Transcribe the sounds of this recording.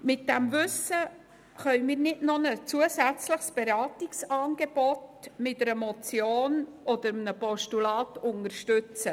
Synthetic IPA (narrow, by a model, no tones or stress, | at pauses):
mɪt̚d̥ɛmvʉsə | χœʏmiːɾnɪtnonət͡suəsæt͡sləχsb̥eɾɑːtiksɑːnɡ̥eb̥ɔtmɪtɛɾəmɔt͡sjoːn | ɔd̪əɾəmnəpɔʃtulɑːtʊnəɾʃtʉt͡sə